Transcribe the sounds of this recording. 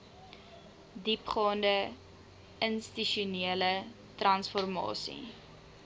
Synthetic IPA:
dipχɑːndə | ənstiʃuniələ | trɐnsfɔrmɑ̰ːsḭ

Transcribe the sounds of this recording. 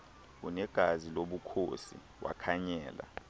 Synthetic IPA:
unɛɡ̥ʱaziloɓukʰosḭ | wa̰kʰaɲɛːla̰

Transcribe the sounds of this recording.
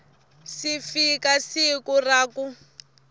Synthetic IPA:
sifikasikuraːku

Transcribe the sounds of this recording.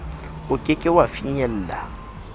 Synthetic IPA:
ʊkʼɪkʼɪwafiɲɛl̩ːla

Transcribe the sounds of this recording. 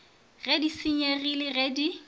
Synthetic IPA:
redisiɲerilɪrɛdi

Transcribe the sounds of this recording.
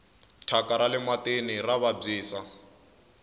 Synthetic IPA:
tʰakaɾalɪmatenɪraβab͡ʐiːsa

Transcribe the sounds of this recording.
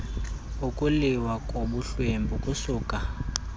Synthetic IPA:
ukʼuliwakʼoɓuɬwembʱukʼusuːka

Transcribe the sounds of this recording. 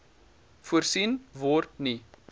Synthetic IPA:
fuərsinvɔrt̚ni

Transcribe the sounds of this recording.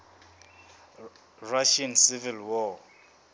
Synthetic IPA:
raʃansivilwɔ

